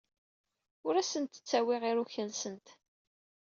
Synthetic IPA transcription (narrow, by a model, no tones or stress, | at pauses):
ʊɾæsənt̪ːə̥t͡sːæwɪʁiɾuçənsənt̪